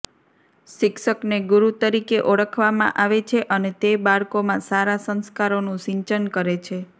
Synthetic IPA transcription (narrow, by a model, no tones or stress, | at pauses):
ʃɪkʃəkneɡuɾut̪əɾikeʔoɭəkʰʋamã̰ʔaʋet͡ʃʰeʔənet̪ebaɭkomãsaɾasə̃nskaɾonũʃĩɲt͡ʃənkəɾet͡ʃʰe